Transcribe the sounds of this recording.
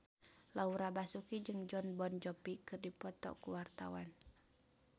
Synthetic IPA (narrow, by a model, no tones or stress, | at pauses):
lauɾabasukid͡ʒɨŋd͡ʒɔnbɔnd͡ʒɔpikɨrdipɔt̪ɔ̰kuwart̪awan